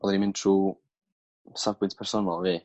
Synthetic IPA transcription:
ɔðɛnimɪ̃ntʰruː | savɡwɪntpʰɛrsɔnalˠviː

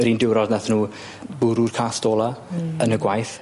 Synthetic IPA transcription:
riːndɪwɾɔdnaθnuː | bʊɾurkʰaːstɔːlˠaənəɡwajθ

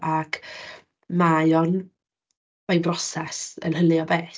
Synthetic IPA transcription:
ʔakʰ | majɔn | majnbrɔsɛsə̰nɦəlˠɨɔbɛː

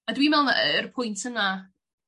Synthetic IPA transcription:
adwimɛlˠnərpʰʊjntʰəna

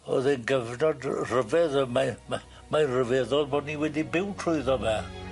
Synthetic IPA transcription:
ɔ̰ðɛnɡəvnɔdrəvɛðəmam | majnrəvɛðɔlˠbɔdniwɛdibɪwtʰrʊɨðɔvɛ

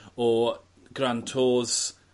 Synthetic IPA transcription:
ɔ | ɡɾantʰoːz̥

